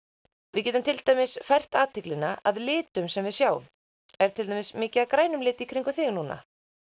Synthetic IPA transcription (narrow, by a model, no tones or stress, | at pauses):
vɪðcɛːt̪ʏmt̪ɪlt̪ajmɪsfajr̥t̪aːt̪ɪklɪnːaaðlɪːt̪ʏmsɛmvɪðsjaːw̰m | ɛɾ̥t̪ʰɪlt̪ʰamɪsmɪːcɪaðkɾaːjnʏmlɪːt̪ɪikʰɾiŋkʏθɪːɣnuːna̰